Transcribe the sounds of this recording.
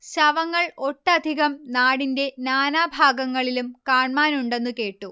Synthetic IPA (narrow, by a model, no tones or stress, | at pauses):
ɕɐʋɐŋːɐɭo̞ʈːɐd̪ʱiɣɐmnaːɽinde̞naːnaːbʱaːɡɐŋːɐɭilumkaːɳmaːnuɳɖe̞nːuke̞ːʈːu